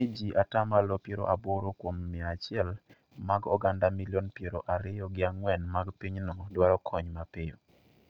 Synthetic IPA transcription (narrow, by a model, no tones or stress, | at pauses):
id͡ʒiʔatamalopjeɾo̰ʔaboɾokwomːɪat͡ʃɪɛl | maɡɔ̰ɡandamiljɔnpjeɾoʔaɾɪjɔɡɪaŋwɛnmaɡpiɲnodwaɾɔkʰɔɲmapɪjo